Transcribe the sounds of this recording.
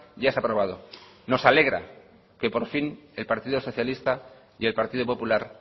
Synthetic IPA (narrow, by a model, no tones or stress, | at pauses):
ɟ͡ʝaesapɾo̞βað̞o̞ | no̞sale̞ɣ̞ɾa̰ | ke̞po̞ɾfine̞lpaɾt̪iðoso̞θjalist̪a | je̞lpaɾt̪iðopo̞pulaɾ